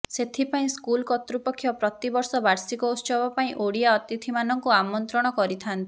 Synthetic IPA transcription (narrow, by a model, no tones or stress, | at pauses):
set̪ʰipaĩskulkɔt̪ɾupɔkʰːjɔpɾɔt̪ibɔɾsɔbaɾsikɔust͡ʃɔbɔpaĩʔoɽiaɔt̪it̪ʰimanɔŋkuamɔnt̪ɾɔɽ̃ɔkɔɾit̪ʰant̪i̥